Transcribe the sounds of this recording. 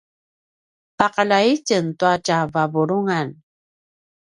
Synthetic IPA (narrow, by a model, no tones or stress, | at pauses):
paqalaicəntuatavabuɾuŋan